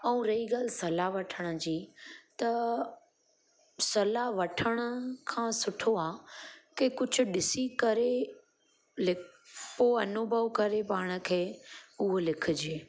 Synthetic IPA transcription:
ɐũɾɐiɡaːlɪsɐlaʋɐʈʰəɽ̃ə̆d͡ʑiːt̪ɐ | sɐlaʋɐʈʰəɽ̃ə̆kʰãːsʊʈʰoaːkekʊd͡ʑʱʊ̆ɗɪsikɐɾe | lɪoɐnʊbʱəʋkɐɾepaːɽ̃ə̆kʰeːʊɦolɪkʰʊ̆d͡ʑieː

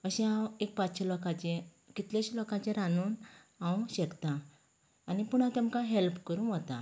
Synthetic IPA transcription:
əɕɛ̃ãwek̚patɕɔlɔkãt͡ɕẽ | kit̪ljãɕlɔkãt͡ɕẽɾanuːn | ãwɕɛkt̪ãː | nipuɳ̃ãt̪ɛmkãɦelpkəɾũʋət̪a̰

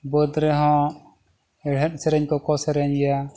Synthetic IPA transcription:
bɔd̪ɾɛɦɔ̃ | ɛɽ̤ɛt̪̚sɛɾɛɲkɔkɔsɛɾɛɲɛja

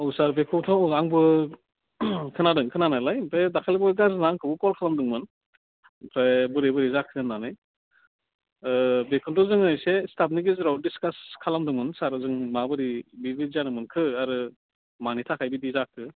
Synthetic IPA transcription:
ɔwsaɾbekʰɯwtʰɔaŋbɯ | kʰɯnadɯŋkʰɯnanajlajpɾedakʰalibɔɾɡaznaŋkʰɯbukɔlkʰalamdɯŋmɯn | pʰɾebɯɾebɯɾizakʰːɯɯnːanɯj | bekʰɯntɔzɯŋɯjsestap̚niɡezɾawdiskaskʰalamdɯŋmɯnsaɾɯzɯŋmabɯɾibibizanɯmɯnkʰɯaɾɯ | manitʰakʰajbidizakʰɯ

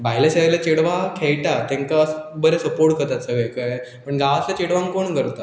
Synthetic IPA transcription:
baɦilaɕəɭalat͡ɕeɽʋakʰejʈat̪jɛ̃ŋkasbəɾesəpoɾʈ̚kət̪asəɡəjkəpəɳɡaʋasljat͡ɕeɽʋãŋkoɳkəɾt̪a

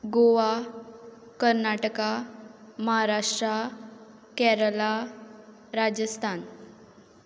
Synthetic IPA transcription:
ɡoʋa | kəɾnaʈəka | məɦaɾaʂʈɾa | kɛɾəla | ɾad͡ʑəst̪ʰan

